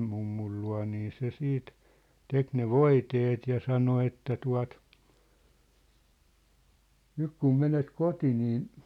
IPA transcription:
mumːul luɑ̝ niː se siːt tek ne ʋoiteːt jɑ sɑno etːæ tuɑ̝t nyk kum menet koti niːn̞

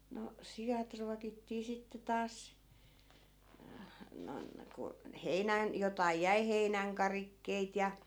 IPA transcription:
no sijɑt ruɑkitːiː sitːe tɑːs noĭn ku heinæn jotɑi jæi heinæŋkɑrikːeit jɑ

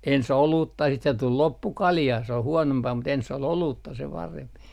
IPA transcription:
ens oluːtːɑ siːt se tul lopːu kɑljɑː se oh huonompɑː mut ensː ol oluːtːɑ se pɑremp

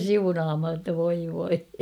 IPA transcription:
siunɑːmhɑ tːɑ ʋoi ʋoi

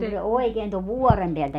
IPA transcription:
ku se oekeːn toʋ ʋuɔrem peæltæ

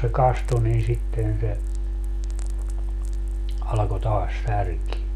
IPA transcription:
se kɑstu nin sitːen se ɑlɑko tɑːs særkie

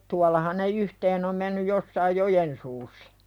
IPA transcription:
tuɑlːɑhɑn ne yhteːn om menːyj josːɑij jojen suːsːɑ̥

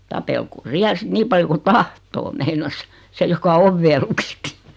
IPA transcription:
tɑpelkoː siæl sĭt niːm pɑljo ku tɑhtoː meinɑs se jokɑ oʋːeː lukitːi

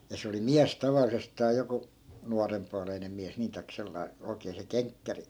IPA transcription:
jɑ se oli miæs tɑʋɑlˑisestɑː joku nuɑrempuɑleinem̆ miæs niː tɑi̯k selːɑi̯ oi̯keː se keŋkːæri

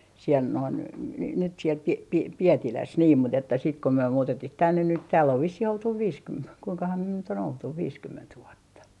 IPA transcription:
siel noin n nyt siel pi pi pietilæs niːm mut etːæ sit ko myø muːtetːih tænːen nyt tæːlː oʋ ʋisːih oltuʋ ʋiːskym kuiŋkɑhɑm myø nyt on oltuʋ ʋiːskymːent ʋuotːɑ

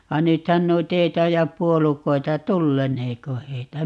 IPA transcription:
ʋɑ nythæn noit ei tɑijɑp puolukoi̯tɑ tulːeneːko heitæ

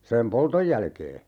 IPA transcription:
sem poltoj jælkeː

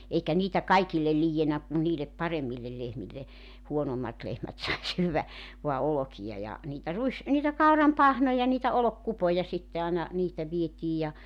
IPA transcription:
eikæ niːtæ kɑikilːel liːjːenæ kun niːlep pɑremˑilːel lehmilːe huonomːɑt lehmæt sɑi syːʋːæ ʋoɑ olokijɑ jɑ niːtæ ruis niːtæ kɑurɑm pɑhnojɑ niːtæ olokːupojɑ sitːe ɑˑenɑ niːtæ ʋietiːj jɑ

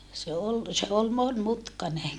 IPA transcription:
se ol se ol monmutkɑne

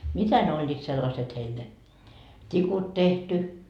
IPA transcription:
mitæ ne olʲːiːt selːɑset heil ne tʲikut tehty

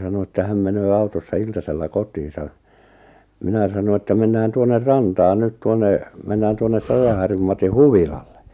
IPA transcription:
sɑno etːæ hæm menøː ɑutosːɑ iltɑselːɑ kotˑiːsɑ minæ sɑno etːæ menːæːn tuonːer rɑntɑːn nyt tuonːe menːæːn tuonːep pɑjɑhɑrjum mɑti huʋilɑlːe

